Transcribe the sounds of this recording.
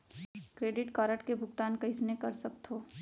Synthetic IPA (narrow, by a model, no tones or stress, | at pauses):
kɾeːɖɪʈkaːɾəʈkebʱʊɡt̪aːnkɐɪsnekɐɾsɐk̚t̪ɦoː